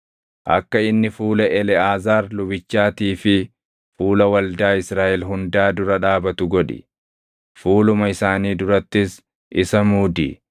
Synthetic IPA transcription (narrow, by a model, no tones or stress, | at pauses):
ʔɐ̰kːɐɪnːɪfuːlɐʔɛlɛaːzaːɾlʊbɪt͡ʃːaːt̪iːfɪ | fuːlɐwɐld̪aːɪsɾaːʔɛlɦʊnd̪aːd̪ʊɾɐᶑaːbɐt̪ʊɡɔᶑɪ̰ | fuːlʊmɐɪsaːniːd̪ʊɾɐt̪ːɪs | ʔɪsɐmuːd̪ɪ̰